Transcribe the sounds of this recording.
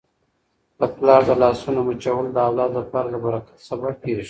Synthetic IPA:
d̪̥əplɑɾd̪əlɑsunomut͡ʃawəld̪əawlɑd̪laplɑɾalabaɾɑkḁt̪sabaʈeɾʃ

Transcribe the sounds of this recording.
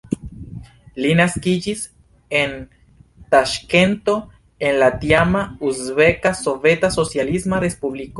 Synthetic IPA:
linaskid͡ʒis | e̞n | taʃke̞nto̞ | e̞nlatjamauzbe̞kaso̞ve̞taso̞t͡sjalismaɾe̞spubliko

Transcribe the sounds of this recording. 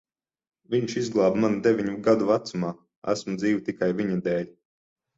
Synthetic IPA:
viɲʃizɡlˠaːbmanud̪evʲiɲuɡad̪uvat̪sumaː | æ̰smud̪ziːvit̪ikajviɲad̪ɛːlʲ

